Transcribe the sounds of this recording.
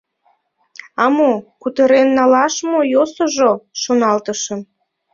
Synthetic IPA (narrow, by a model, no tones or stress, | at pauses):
ɑmokut̪əɾenːɑlɑʃmojosoʒoʃonɑlt̪əʃə̆m